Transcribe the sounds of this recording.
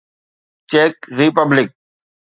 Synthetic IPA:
t͡ʃeːkɾipəblɪk̚

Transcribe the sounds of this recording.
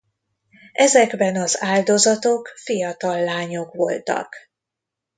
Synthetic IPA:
ɛzɛɡbɛnɒzaːld̪o̞zɒt̪o̞kfijɒt̪ɒlːaːɲo̞kʋo̞̰lt̪ɒ̰k

